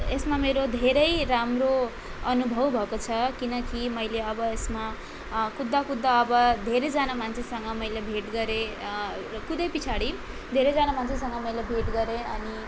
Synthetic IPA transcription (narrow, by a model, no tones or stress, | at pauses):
esmameɾod̪ʱeɾʌjɾamro | ʌnubʱʌwbʱʌkot͡sʰʌkinʌkimʌjleʌbʌesma | kud̪ːakud̪ːaːbʌd̪ʱeɾed͡zanamant͡sʰesʌŋɡʌmʌjlebʱeʈɡʌɾe | kud̪ʌjpit͡sʰaɽi | d̪ʱeɾed͡zanamant͡sʰesʌŋɡʌmʌjlebʱeʈɡʌɾeʌni